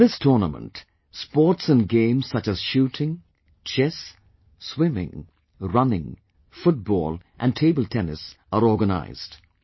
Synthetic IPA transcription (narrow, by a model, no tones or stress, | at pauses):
ðɪstʰɔɹnəmə̰̃nt | spɔɹtsɨ̃nɡẽɪ̃mz̥sʌt͡ʃɨz̥ʃutʰɪ̃ŋ | t͡ʃʰɛs | swɪ̃mɪ̰̃ŋ | ɹʌnɪ̃ŋ | fʊt̚b̥ɔ̰ːlˠʔɨ̃ntʰeɪbəlˠtʰɛnɪ̰sʔəɹɔɹɡəna̰ɪz̥d̥